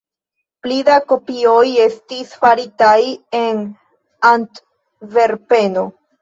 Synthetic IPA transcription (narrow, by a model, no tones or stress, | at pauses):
plidako̞pio̞je̞stisfaɾitaje̞n | ant | ve̞ɾpe̞no̞